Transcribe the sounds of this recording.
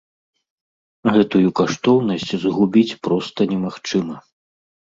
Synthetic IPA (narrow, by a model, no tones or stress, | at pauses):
ɣɛt̪ujukaʂt̪ɔwnɐsʲt͡sʲzɣubʲit͡sʲpɾɔst̪ɐnʲɛmaxt͡ʂɨmɐ